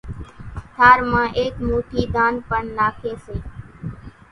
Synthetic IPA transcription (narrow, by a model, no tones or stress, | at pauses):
t̪ʰaːɾmãːʔeːkmoːʈʰiːd̪aːnpəɳnaːkʰeːseː